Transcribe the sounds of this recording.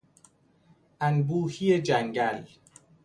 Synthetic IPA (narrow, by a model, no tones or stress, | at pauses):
ʔænbuːhijed͡ʒæŋɡæl